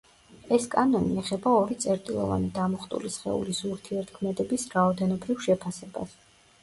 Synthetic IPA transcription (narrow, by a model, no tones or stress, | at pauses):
ɛskʼanɔniɛχɛbaɔɾit̪sʼɛɾt̪ʼilˠɔ̰va̰nid̪amɔχt̪ʼṵlisχɛ̰ṵlisuɾt̪ʰiɛɾt̪ʰkʰmɛd̪ɛbisɾaɔd̪ɛnɔbɾivʃɛpʰasɛba̰s